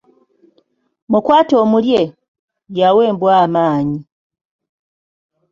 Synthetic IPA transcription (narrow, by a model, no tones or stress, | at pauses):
mukwaːto̞ːmulje | jawe̞ːmbwaːmaːɲi